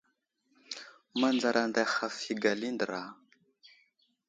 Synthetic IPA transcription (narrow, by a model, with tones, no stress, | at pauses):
ma˦˨nd͡za˨ɾa˨nda˨xa˨fi˨ɡa˨li˦ndə˨ɾa˨